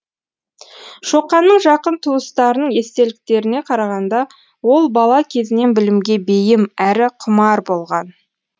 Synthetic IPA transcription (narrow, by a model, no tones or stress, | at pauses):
ʃo̞qːɑnːəɴʒɑqənt̪ʰuəst̪ɑɾənəɴje̞st̪e̞lɪk̚t̪e̞ɾɪne̞qʰɑɾɑʁɑnd̪ɑ | wo̞lˠbɑlˠɑkʲʰe̞zɪne̞nbɪlɪmɡʲe̞bejɪmæɾɪqʰʊmɑɾbo̞lˠʁɑn